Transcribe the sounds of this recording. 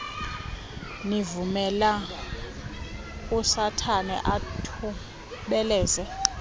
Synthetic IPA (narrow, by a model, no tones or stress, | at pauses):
nivumɛla | usatʰanɛ̰ʔatʰu | ɓɛlɛːzɛ